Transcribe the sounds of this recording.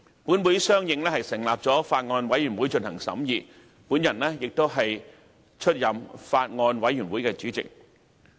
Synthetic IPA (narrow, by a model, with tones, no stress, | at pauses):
puː˨˥nwuː˨˥jsœː˥ŋjɪ˨˧ŋlɛː˥hɐ˨˩jsɪ˨˩ŋlaː˨p̚t͡sɔː˨˥faː˧t̚ŋɔː˧nwɐ˨˥jyː˨˩nwuː˨˥jt͡ʃɵ˧nhɐ˨˩ŋsɐ̰˨˥mjiː˨t̚ | puː˨˥njɐ˨˩nlɛː˥jɪ˨k̚t̪o˥wɦɐ˨j | t͡ʃʰɵ˥t̚jɐ˨˩mfaː˧t̚ŋɔː˧nwɐ˨˥jyː˨˩nwuː˨˥jkɛː˧t͡syː˨˥t͡sɪ̰˨k̚